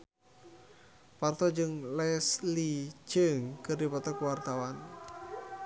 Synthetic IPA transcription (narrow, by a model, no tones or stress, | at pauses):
part̪ɔd͡ʒɨŋlɛslit͡ʃəŋkɨrdipɔt̪ɔkuwart̪awan